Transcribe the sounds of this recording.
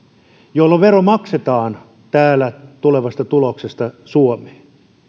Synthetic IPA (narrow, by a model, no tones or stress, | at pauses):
jolːɑʋeromɑkset̪ɑːn | t̪æːlːæt̪uleʋɑst̪ɑt̪uloksest̪ɑsuomeːn